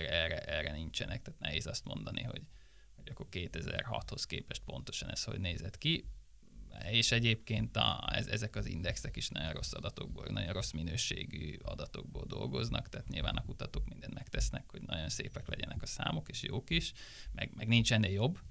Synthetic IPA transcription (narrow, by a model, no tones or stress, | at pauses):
ɛrɛʔɛrɛnint͡ʃɛnɛk̚t̪aːt̪nɛɦeːzɒst̪mo̞nd̪ɒniɦo̞ɟ | hoɟɒkːorkeːt̪ɛzɛrɦɒt̪ho̞skeːpɛʃt̪̚po̞nt̪o̞̥ʃɒnɛsho̞̰ɟneːzɛt̪ki | eːʃɛɟeːpkeːnt̪ɒɛzɛzɛkɒzind̪ɛksɛkiʃnɒɟonro̞sːɒd̪ɒt̪o̞ɡbonɒɟonro̞sminøːʃeːɡyɒd̪ɒt̪o̞ɡ̚boːld̪o̞lɡo̞znʔɒkt̪aːt̪ɲilvaːnɒkut̪ɒt̪oːkmind̪ɛnmɛkt̪ɛsnɛkho̞ɟnɒɟo̞nseːpɛklɛɟɛnʔɛkɒsaːmokeːʃjoːkiʃmɛɡmɛɡnint͡ʃɛnːejo̞bː